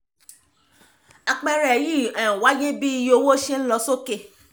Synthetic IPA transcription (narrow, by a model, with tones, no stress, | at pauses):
a˧k͡pɛ˧ɾɛ˨ji˦˨ɛ̃˨wa˨˦je˦bi˦i˧jo˧˦wo˦ʃe˦n̩˦lɔ˧so˦ke˦˨